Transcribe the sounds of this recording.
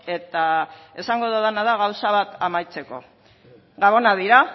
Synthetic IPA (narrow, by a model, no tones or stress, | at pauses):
e̞t̪ae̞saŋɡo̞ðaðanaðaɣawsaβat̪amajt͡se̞ko̞̰ | ɡaβo̞naðiɾa